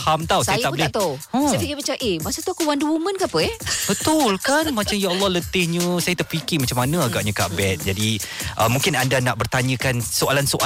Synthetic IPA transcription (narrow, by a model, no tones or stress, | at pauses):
hamt̪awsajaj̪aʔbəlɪat̪aə̃spikipət͡ʃaʔemasat̪uakuwanduwumə̃nkaapəɛb̥ət̪ʊlkanmat͡ʃamjaɔlːɔhlət̪ɪhɲə̃sajat̪əʔpikimat͡ʃamːanə̃aɡaʔɲəkaʔbɛt̪̚d͡ʒadiʔəmũŋkɪnandanaʔbərt̪aɲə̃kansoalansoʔa